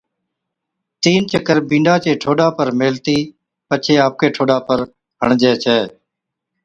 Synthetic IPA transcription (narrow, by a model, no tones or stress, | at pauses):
t̪iːnt͡ʃəkəɾbĩːɳɖaːt͡ʃeːʈʰoːɖaːpəɾmeːlt̪iː | pət͡ʃʰeːaːp̚keːʈʰoːɖaːpəɾ | ɦəɳd͡ʒeːt͡ʃʰɛː